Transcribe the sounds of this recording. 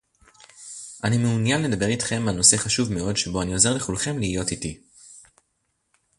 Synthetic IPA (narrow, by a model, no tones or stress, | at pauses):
ʔanimeunjanle̞dabe̞ʁitχe̞mano̞se̞χaʃuvme̞o̞dʃe̞bo̞anio̞ze̞ʁleχulχe̞mliːjo̞titi